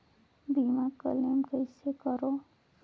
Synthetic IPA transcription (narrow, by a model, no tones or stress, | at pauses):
biːmakə̰lemkəɪsekəɾoː